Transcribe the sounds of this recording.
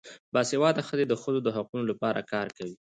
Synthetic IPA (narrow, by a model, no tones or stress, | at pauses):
bɑshewɑd̪axəzed̪əxəzod̪əɦaqunolapɑɾa̰kɑɾkawi